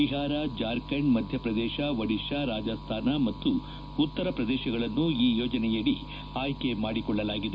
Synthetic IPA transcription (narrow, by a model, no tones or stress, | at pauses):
iɦaːɾad͡ʒaːɾkɐɳmɐd̪ʱjɐpɾɐd̪ɛːʃɐʋɐɽiʃaɾaːd͡ʒɐst̪ʰaːnamɐt̪ːu | ut̪ːɐɾɐpɾɐd̪ɛːʃɐɡɐɭɐnːuiːjoːd͡ʒɐnɛjɐɽi | aːjkemaːɽikɔɭːɐlaːɡid̪